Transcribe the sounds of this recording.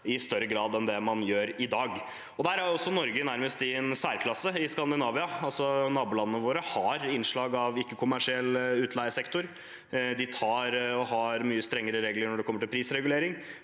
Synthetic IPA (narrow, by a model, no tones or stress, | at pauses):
ɪst̪œɾəɡɾɑːd̪ɛnd̪ɛmɑnjøːɾɪd̪ɑːɡ | ɔd̪æɾæɔsːɔnɔɾɡənæɾməst̪ɪɛnsæːɾkʰlɑsːəɪskɑnd̪ɪnɑːʋɪɑɑlsɔnɑːbʊːlɑnənəʋoːɾəhɑɾɪnʂɭɑːɡɑʋɪkːəkʰʊmæʂɪɛlːʉːt̪ʰlæɪəsɛkt̪ʊɾ | d̪ɪt̪ʰɑːɾɔhɑɾmyːəst̪ɾɛŋːəɾəɾeːɡləɳɔɖɛkɔmːəʈɪlpʰɾiːsɾɛɡʉleːɾɪŋ